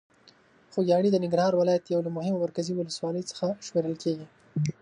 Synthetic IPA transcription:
xoɡjɑɽid̪ənɪŋɡɾhɑɾwɪlɑjat̪jawlamʊhɪmamaɾkaziwʊləswɑləjt͡sə̥xaʃmeɾəlkeɡi

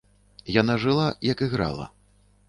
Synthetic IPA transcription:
janaʐɨlˠajɐkiɣɾa̰lˠɐ̰

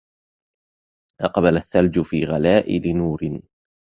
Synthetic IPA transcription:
ʔɑqbalaθːald͡ʒʊfiːɣalaːʔɪlɪnuːɾɪn

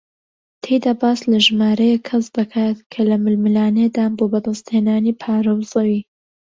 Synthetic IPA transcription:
t̪ʰejd̪aːbaːslɐʒɨmaːɾɐjɛkʰːɐsd̪ɐkʰaːt̪kʰɐlɐmɨlmɨlaːned̪aːnboːbɐd̪ɐst̪heːnaːniːpʰaːɾɐwzɐwiː

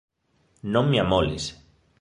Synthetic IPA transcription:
nommjamolis

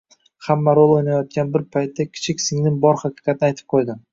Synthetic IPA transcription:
hamːaɾolˠojnajɒt̪̚ɡʲanbɪɾpʰajt̪ʰːakʲʰɪ̥t͡ʃʰɪkʲsɪŋnɪŋbɒɾhakʲɪ̥qʰʲɑt̪ɪnɪajt̪ʰɪ̥p̚qʰojd̪ɪ

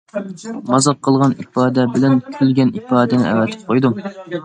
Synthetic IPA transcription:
mɑzɑq̚qʰːəlˠʁɑnipɑːd̪ɛbɪlɛnkʲʰylɡʲɛnipɑːd̪ɛnɪʔɛ̰wɛt̪ʰɪ̥p̚qʰojd̪u

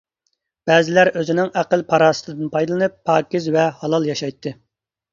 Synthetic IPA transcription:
b̥ɛːzɪlæɾøzɪnɪŋæqəlˠpʰɑɾɑːsɨ̥t̪ʰɨd̪ɨnpʰɑjd̪ɨlˠɨnɨpʰːɑːkʲizvɛhɑlˠɑlˠjɑʃɑjt̪ʰːɨ

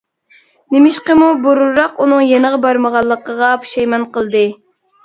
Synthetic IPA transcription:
nɪmɪʃqəmuboɾuɾɑqunɨŋjenəʁɑbɑɾməʁɑlˠːəqəʁɑpʰu̥ʃɛjmɑnqəlˠd̪ɨ

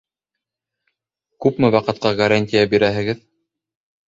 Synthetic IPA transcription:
kʉpmɘwɑqɤ̆t̪̚qɑɡɐɾanʲt̪ʲijabiɾæɦɘ̆ɡɘð

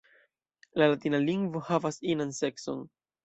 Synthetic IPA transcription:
lalatinaliŋɡvo̞havasinansekso̞̰n

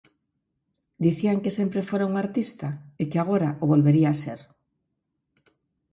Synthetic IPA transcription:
d̪iθiaŋkesempɾefoɾauŋaɾt̪ist̪aekeaɣ̞oɾaʔoβolβeɾiaːseɾ

